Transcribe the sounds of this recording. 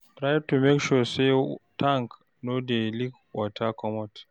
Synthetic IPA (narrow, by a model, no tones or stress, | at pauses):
tɾajb̚tumekʃusetʰãŋk | nodelik | watʰakɔmɔt